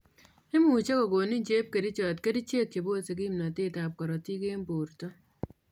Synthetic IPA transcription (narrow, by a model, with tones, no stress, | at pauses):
e˦mu˨t͡ʃe˦ko˨ko˨ni˦ɲd͡ʒe˦p̚ke˨ɾi˦t͡ʃɔ˨tke˦ɾi˦t͡ʃe˦kt͡ʃe˨bo˦se˨k̬i˦mna˨ti˦ta˨p̚kɔ˨ɾɔ˨ti˦ke˦mbo˨ɾtɔ˦